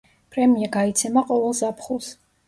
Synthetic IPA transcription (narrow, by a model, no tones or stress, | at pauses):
pʼɾɛmiaɡait̪sʰɛmaqʼɔvɛlˠzapʰχulˠs